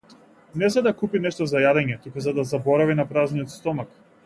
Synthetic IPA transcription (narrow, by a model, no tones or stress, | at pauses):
nɛzad̪akupinɛʃt̪ɔzajad̪ɛɲɛt̪ukuzad̪azabɔɾavinapɾaznijɔt̪st̪ɔmak